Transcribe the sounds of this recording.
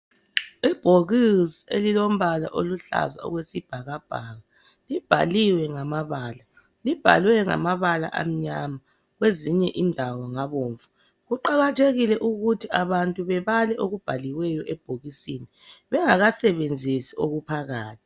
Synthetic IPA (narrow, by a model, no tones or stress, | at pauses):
ib̥ʱoɣisiḛlilom̩βala̰ʔoluɬa̰za̰ɔ̰ɣwesib̥ʱaɣab̥ʱaɣa | lib̥ʱa̰liwɛŋamaβaːla | lib̥ʱa̰lwɛŋa̰maβala̰ʔa̰m̩ɲama | ɣweziɲɛʔindʱawɔŋaβoːɱvu | ɣuǃaɣatʰeɣilɛʔuɣutʰiaβantʼuβɛβalɛʔoɣub̥ʱaliwɛjɔʔɛb̥ʱoɣisini | βɛŋaɣasɛβend͡zʱisioɣupʰaɣaːtʰi̥